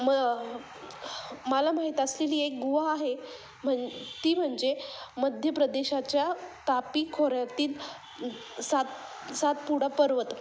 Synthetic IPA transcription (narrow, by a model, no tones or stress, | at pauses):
mə | məlamaɦit̪əsleliːek̚ɡuʋaːɦe | m̤ət̪iːm̤əɳd͡zeməd̪ʱjəpɾəd̪eɕat͡ɕjat̪apiːkʰoɾjat̪iːl | sat̪ | sat̪̚puɽ̤apəɾʋət̪